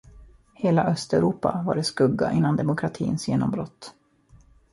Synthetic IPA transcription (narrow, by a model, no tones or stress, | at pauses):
heːlaʔœst̪ɛʊɾuːpa̰va̰ɖɛskɵɡːa̰ʔɪnːand̪ɛmʊkʰɾat̪ʰḭːnsjeːnɔmbɾɔt̪ː